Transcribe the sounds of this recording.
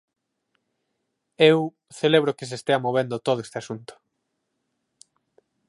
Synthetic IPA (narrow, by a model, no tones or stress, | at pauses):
ew | θeleβ̞ɾokes̬est̪eamoβ̞end̪ot̪oð̞oest̪easunt̪ʊ̥